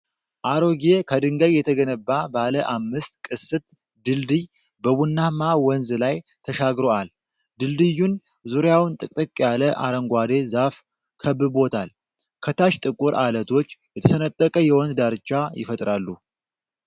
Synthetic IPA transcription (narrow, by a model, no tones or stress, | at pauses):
ʔaɾo̞ɡe̞kʰəd̪ɨŋɡəɡjɛt̪ʰəɡənəbːabaləʔamːɨst̪kʼɨsɨt̪ | d̪ɨld̪ɨj | bəβunːamawɔnzlajt̪ʰəʃaɡɾo̞al | d̪ɨld̪ɨjːun | zuɾjawnt̪ʼɨkʼt̪ʼɨkʼːjaləʔa̰ɾəŋɡʷad̪e̞zaf | kʰəbːɨbo̞t̪ʰal | kʰət̪ʰaʃt̪ʼɨkʼuɾʔalət̪ʰo̞t͡ʃːjɛt̪ʰəsʰənət̪ʼːəkʼəjɛwɔnzd̪aɾɨt͡ʃːajɪ̰fət̪ʼɾalːu